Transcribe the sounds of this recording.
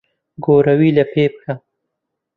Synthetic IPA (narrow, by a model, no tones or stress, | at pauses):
ɡoɾawilapʰepxa